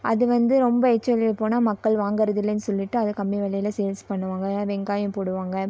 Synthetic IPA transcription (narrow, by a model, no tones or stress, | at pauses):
ʔɐðɯʋɐnd̪ɯɾɔmbɐɛt͡ʃːɐɐlɪpːoːnaːmɐkkːɐɭʋaːŋɡɐɾɐðɪlːɛnːsɔlːɪʈːɯɐðɯkɐmːiʋɛɭɐjɪlɐseːlspɐɳːɯʋaːŋɡɐʋɛŋɡaːjɐ̃poːɽɯʋaːŋɡɐ